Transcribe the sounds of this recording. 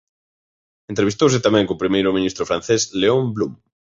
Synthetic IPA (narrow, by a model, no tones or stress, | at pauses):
ẽnt̪ɾeβist̪ows̬ɪt̪amɛ̃ŋkoːpɾimejɾʊmĩnist̪ɾofɾãn̟θesleomblum